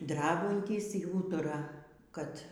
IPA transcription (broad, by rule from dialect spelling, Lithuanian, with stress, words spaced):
ˈdrɑːbɐnʲtʲiːs iː ˈuːtʊrɐ ˈkɐt